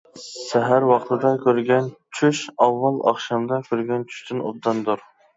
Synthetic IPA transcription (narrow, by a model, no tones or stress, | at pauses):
sɛɦæɾwɑχt̪ʰɨd̪ɑkʲʰøɾɡʲɛnt͡ʃʰyʃɑwːɑlˠɑ̰χʃɑmd̪ɑkʲʰøɾɡʲɛnt͡ʃʰy̥ʃt̪ɪno̰b̚d̪ɑnd̪uɾ